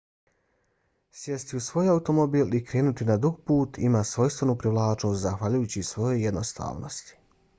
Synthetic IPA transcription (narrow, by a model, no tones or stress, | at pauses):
sjest̪iusʋo̞ːjaut̪o̞mobiːlikɾe̞ːnut̪inad̪uɡpuːt̪ʰḭmaːsʋo̞jst̪ʋe̞nupɾiʋlˠaːt͡ʃnost̪zaxʋaʎujuːt͡ɕisʋo̞jojed̪nost̪a̰ːʋno̰st̪i̥